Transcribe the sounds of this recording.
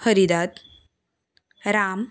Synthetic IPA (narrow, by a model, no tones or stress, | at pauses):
həɾid̪at̪ | ɾam